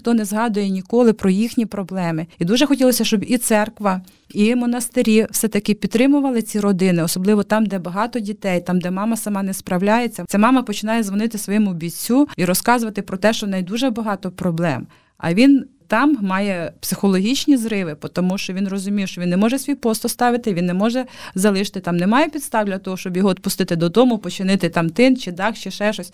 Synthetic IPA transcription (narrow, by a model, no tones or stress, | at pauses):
t̪ɔnɛzɦɑd̪ʊjɛnʲikɔlˠɪpɾɔjixnʲipɾɔblˠɛmɪid̪uʒɛxɔtʲilˠɔsʲɐʃt͡ʃɔbit̪sɛrkʋɐ | imɔnɐst̪ɪɾʲiwsɛt̪ɐkɪpʲid̪t̪ːɾɪmʊʋɐlˠɪt͡sʲiɾɔd̪ɪnɪɔsɔblˠɪʋɔt̪ɑmd̪ɛbɐɦɑt̪ɔdʲit̪ɛjt̪ɑmd̪ɛmɑmɐsɐmɑnɛspɾɐwlʲajet͡sʲːɐt͡sʲamɑmɐpɔt͡ʃɪnɑjɛzʋɔnɪt̪ɪsʋɔjɛmʊbʲit͡sʲːuiɾɔskɑzʊʋɐt̪ɪpɾɔt̪ɛʃt͡ʃɔnɛjd̪uʒɛbɐɦɑt̪ɔpɾɔblˠɛ̰m | ɐ̰ʋʲin | t̪ɑmːɑjɛpsɪxɔlˠɔɦʲit͡ʃʲnʲizɾɪʋɪpɔt̪ɔmuʃt͡ʃɔʋʲinrɔzʊmʲiwʃt͡ʃɔʋʲinnɛmɔʒɛsʲʋʲijpɔst̪ɔst̪ɑʋɪt̪ɪʋʲinːɛmɔʒɛzɐlˠɪʃt̪ɪt̪ɑmnɛmɑjɛpʲid̪st̪ɑwd̪ʲlʲɐt̪ɔɦɔʃt͡ʃɔbjɔɦɔːd̪pʊst̪ɪt̪ɪd̪ɔd̪ɔmʊpɔt͡ʃɪnɪt̪ɪt̪ɑmt̪ɪnt͡ʃɪd̪ɑxt͡ʃɪʃɛʃɔsʲ